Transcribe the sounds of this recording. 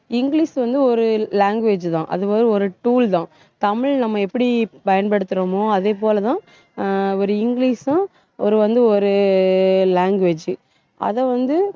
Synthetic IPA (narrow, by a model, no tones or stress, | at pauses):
ɪŋɡliːsʋɐnd̪ɯɔɾɯlaːŋɡʋeːd͡ʒt̪ãːʔɐ̰ðɯpoːd̪ɾɯɔɾɯʈuːlt̪ãː | t̪ɐmɪɭnɐmːɐɛpːɐɽipɐjɐnpɐɽɯt̪ːɯɾɐmoɐðeːp̬oːlɐt̪ãː | ɔɾɯɪŋɡɭiːsʊ̃ | ɔɾɯʋɐnd̪ɯɔɾɯ | laːŋɡʋeːd͡ʒ | ʔɐ̰ðɐ̃ʋɐnd̪ɯ